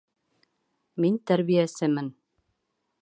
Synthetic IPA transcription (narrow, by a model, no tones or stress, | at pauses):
mint̪æɾβijæsɘmɘn